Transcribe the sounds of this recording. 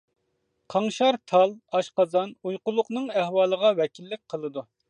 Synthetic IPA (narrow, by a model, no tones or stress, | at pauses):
qʰɑŋʃɑɾt̪ʰɑlˠɑʃqɑzɑnujqʊlˠːʊqnɨŋæhwɑːlˠəʁɑwɛkʲilːɪk̚ʲqʰəlˠɨd̪u